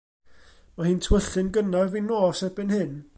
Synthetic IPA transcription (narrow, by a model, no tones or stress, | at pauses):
mahɨːntʰwəɬɨnɡənavinoːsɛbɪnhɨn